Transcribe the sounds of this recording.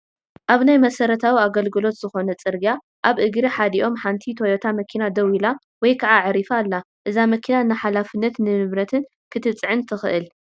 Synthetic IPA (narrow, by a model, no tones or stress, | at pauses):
ʔaβnajmɐsɐɾɐt̪ʰawiaɡɐlɡɨlo̞t̪z̥ɨxo̞nɐt͡sʼɨɾɡa | ʔaβʔɨɡɾiħad̪iʔo̞mħant̪ʰit̪ʰojot̪ʰamɐkʰinad̪ɐwila | wɔjkʰaʕaʕɨɾifalːa | ʔɨzamɐkʰinaɨnːaħalafɨnːɐt̪nɨmɨβɾɐt̪ʰɨn | kʰɨt̪ʰɨt͡sʼʕɨnt̪ʰɨxɨʔɨl